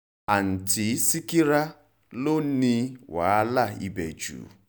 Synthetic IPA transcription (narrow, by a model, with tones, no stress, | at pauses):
a˨n̩˨ti˨˦si˦ki˦ɾa˦ | lo˦n̩˦ni˦wa˨˦a˦la˦˨ḭ˦be˨d͡ʒṵ˨